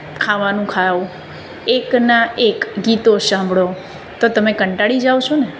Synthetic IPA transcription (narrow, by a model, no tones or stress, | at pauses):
kʰaʋanũkʰau | eknaʔekɡit̪osãmbʱɽo | t̪ot̪əmekəɳʈaɭid͡ʒaot͡ʃʰone